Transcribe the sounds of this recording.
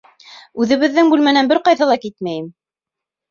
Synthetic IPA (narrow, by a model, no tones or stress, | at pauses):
ʉðɘ̆βɘ̆ðːɘŋbʉlmænænbɘɾqɑjðɑlˠɑkit̪mæjɘm